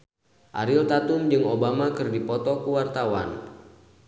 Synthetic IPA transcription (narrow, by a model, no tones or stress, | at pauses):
ʔa̰ɾiɔt̪at̪umd͡ʒɨŋobamakɨrdipɔt̪ɔkuwart̪awa̰n